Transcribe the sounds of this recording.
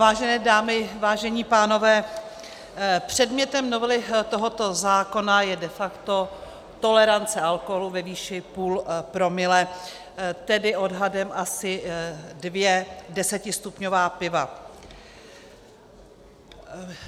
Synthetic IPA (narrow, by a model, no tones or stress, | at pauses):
vaːʒɛnɛːdaːmɪvaːʒɛɲiːpaːno̞vɛː | pr̝̥ɛdmɲɛt̪ɛmno̞vɛlɪt̪o̞ɦo̞t̪o̞zaːko̞najɛdɛfakt̪o̞ | t̪o̞lɛɾant͡sɛalkoɦoluvɛviːʃɪpuːlpɾo̞mɪlɛ | t̪ɛdɪʔo̞dɦadɛmʔasɪdvjɛdɛsɛcɪst̪upɲovaːpɪva